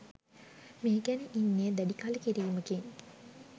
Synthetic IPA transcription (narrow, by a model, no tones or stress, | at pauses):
meːɡæniʔinːeːd̪æɖikaləkiɾiːməkeŋ